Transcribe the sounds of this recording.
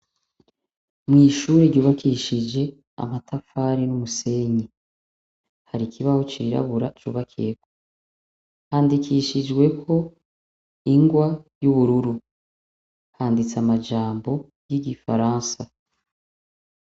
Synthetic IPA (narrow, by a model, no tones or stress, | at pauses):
mŋiːʃuːɾeɾɟuːβakʰiʃid͡ʒe̞ | a̰matʰafaːɾinumuse̞ɲi | haɾikʰiβahot͡ʃiɾa̰βuɾat͡ʃṵːβakʰḭeko | haːndikʰiʃid͡ʒɡwe̞kʰo̞ | iŋɡwajuβuɾuɾu | haːndit͡samad͡ʒaːmbo̞ | jiɡifa̰ɾaːnsa